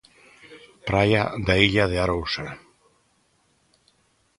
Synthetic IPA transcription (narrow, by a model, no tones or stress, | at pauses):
pɾajaðaiʎaðeaɾowsaɾ